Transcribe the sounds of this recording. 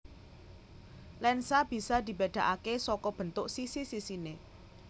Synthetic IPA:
lɛnsab̥i̤sad̪i̤bed̪̥ä̤ʔakesɔkɔb̥ə̤nt̪ʊʔsisisisine

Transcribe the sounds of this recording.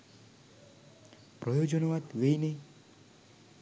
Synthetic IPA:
pɾɔjod͡ʒɔnɔʋad̪ʋejne

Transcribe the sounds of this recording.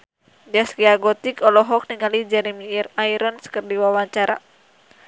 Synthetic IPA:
daskiaɡɔt̪ikɔlɔɦɔk̚niŋalid͡ʒɛɾɛmiraiɾɔnsə̥kərdiwawaɲt͡ʃaɾa̰

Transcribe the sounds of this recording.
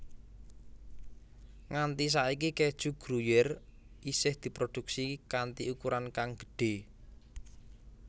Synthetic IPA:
ŋant̪is̬aik̬iked̥ʒ̥ṳɡ̥ɾujɛr | isɪhd̪̥i̤pɾod̪̥ṳksikant̪iukuɾankaŋɡ̥ə̥ɖ̥e̤

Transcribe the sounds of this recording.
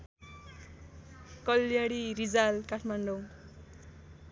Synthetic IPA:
kʌlːjaɽiɾid͡zalkaʈʰmaɳɖo

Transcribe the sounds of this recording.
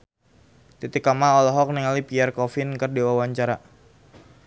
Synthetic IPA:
t̪it̪ɪkamaɔlɔɦɔk̚niŋalipiɛrkɔfɪnkərdiwawaɲt͡ʃaɾa

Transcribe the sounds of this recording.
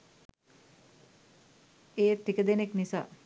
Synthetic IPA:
eːt̪ikəd̪eneknisa̰ː

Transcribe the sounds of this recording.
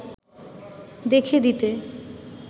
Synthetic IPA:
d̪ekʰed̪it̪e

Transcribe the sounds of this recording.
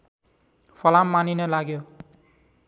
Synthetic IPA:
pʰʌlamːaninʌlaɡjo

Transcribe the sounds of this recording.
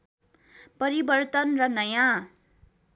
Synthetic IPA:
pʌɾibʌrt̪ʌnrʌnʌjã

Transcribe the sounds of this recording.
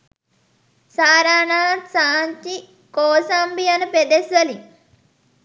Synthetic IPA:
saːɾaːnaːt̪saːɲt͡ʃi | koːsaːmbiɐnuped̪esʋɐli

